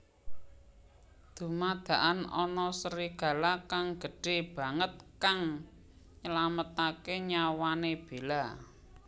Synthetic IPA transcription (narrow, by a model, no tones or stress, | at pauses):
d̪̥ṳmad̪̥ä̤ʔanɔnɔsəɾiɡ̥ä̤lakaŋɡ̥ə̤ɖ̥e̤b̥ä̤ŋət̪̚kaŋ | ɲəlamət̪akeɲawaneb̥e̤la